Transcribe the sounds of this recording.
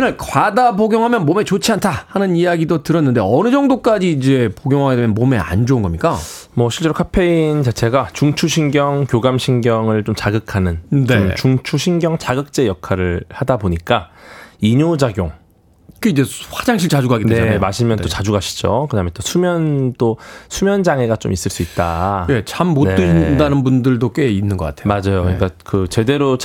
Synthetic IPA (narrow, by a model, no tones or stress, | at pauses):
inɯɭkwadaboɡjoŋɦamjʌnmome̞t͡ɕot͡ɕʰiantʰahanɯnijaɡidotɯɾʌnːɯnde̞ʌnɯd͡ʑʌŋdok͈ad͡ʑiːd͡ʑe̞poɡjoŋɦaɡedemjʌnmome̞a̰nd͡ʑounɡʌmɲik͈a | mʌɕʰiɭt͡ɕ͈e̞ɾokʰapʰe̞int͡ɕat͡ɕʰe̞ɡat͡ɕuŋt͡ɕʰuɕʰinɡjʌŋkjoɡamɕʰinɡjʌŋɯɭt͡ɕomt͡ɕaɡɯkʰanɯnnt͡ɕuŋt͡ɕʰuɕʰinɡjʌŋt͡ɕaɡɯk̚t͡ɕ͈e̞jʌkʰaɾɯɭhadaboɲik͈aiɲod͡ʑaɡjoŋ | k͈eid͡ʑewad͡ʑaŋɕʰiɭt͡ɕad͡ʑuɡaɡedeemaɕʰimjʌnt͈ot͡ɕad͡ʑuɡaɕʰi̥d͡ʑokɯdament͈osʰumjʌnt͈osʰumjʌnd͡ʑaŋe̞ɡat͡ɕo̰mis͈ɯɭs͈uit̚t͈a̰et͡ɕamːoneɯidanɯnbundɯɭdok͈einːɯnɡʌk͈a̰tʰemad͡ʑajokɯɲik͈akɯt͡ɕe̞de̞ɾo